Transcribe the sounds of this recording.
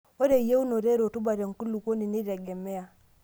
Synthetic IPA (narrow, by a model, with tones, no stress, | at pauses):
o˦ɾe˨˦je˦u˦no˨ɾe˦ɾo˨tu˦ba˨ɾe˨ŋ˨ku˦lu˨ko˦ni˨ni˦ɾɛ˨ɡɛ˨mɛ˦a˨